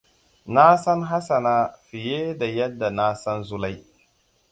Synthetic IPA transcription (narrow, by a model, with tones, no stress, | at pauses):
na˦sɐ˦nɦa˦sa˨na˦fi˨jeː˦da˨jɐ˦dːa˨na˦sɐ˦nzu˦la˦j